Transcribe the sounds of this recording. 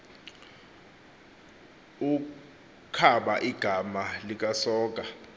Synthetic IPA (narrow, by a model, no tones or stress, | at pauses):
u | kʰaɓaʔiɡ̥ʱamalik̬ʼasɔːk̬ʼa